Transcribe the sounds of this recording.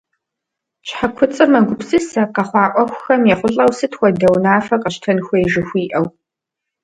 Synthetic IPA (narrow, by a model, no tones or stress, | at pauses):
ɕħakʷʰʊt͡sʼɨmɐɡʷʊpsɨsɐqɐχʷɑːʔʷɔxʷʊxɐmjɛχʷʊɬʼɐwsɨtʰxʷɔdɐwnaːfɐqɐɕtʰɐnxʷɔjʒɪxʷiːʔɐw